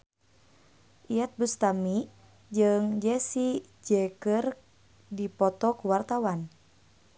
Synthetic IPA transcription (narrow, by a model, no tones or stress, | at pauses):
ʔiat̪̚bust̪ami | d͡ʒɨŋd͡ʒɛsi | d͡ʒɛkər | dipɔt̪ɔkuwart̪awan